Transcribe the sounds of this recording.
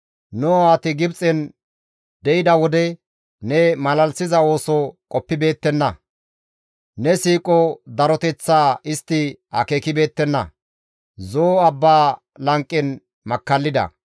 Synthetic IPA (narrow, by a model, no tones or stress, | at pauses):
noaːt̪ɪɡɪbt͡sʼɛn | d̪ɛɪd̪ɐwɔd̪ɛ | nɛmɐlɐlsɪzɐo̞ːsɔkʼɔpːɪbe̞ːt̪ːɛnːɐ | nɛsiːkʼɔd̪ɐɾɔt̪ɛt͡sːaːɪst̪ːɪhɐ̰keːkɪbe̞ːt̪ːɛnːɐ̰ | zoːɐbːaː | lɐŋkʼːɪn | mɐkːɐlːɪd̪ɐ̰